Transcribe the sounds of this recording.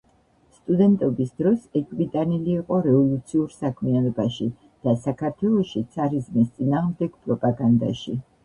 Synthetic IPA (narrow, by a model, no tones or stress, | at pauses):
st̪ʼud̪ɛnt̪ʼɔbisd̪̥ɾɔsɛkʰʼvit̪ʼaniliːqʼɔɾɛvɔlˠut̪sʰiuɾsakʰmianɔbaʃi | d̪̥asakʰaɾt̪ʰwɛlˠɔʃit̪sʰaɾizmist̪sʼinaːʁmd̪ɛɡ̥pʼɾɔpʼaɡand̪a̰ʃi